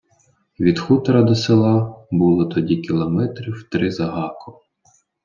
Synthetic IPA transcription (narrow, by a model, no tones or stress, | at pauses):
ʋʲid̪xut̪ɾɐd̪ɔselˠɑbulˠɔt̪ɔdʲikʲilˠɔmɛt̪ɾʲiwt̪ɾɪzɐɦɑkɔ